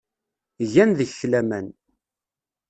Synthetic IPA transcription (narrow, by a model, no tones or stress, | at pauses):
ʝænðəçlæmæn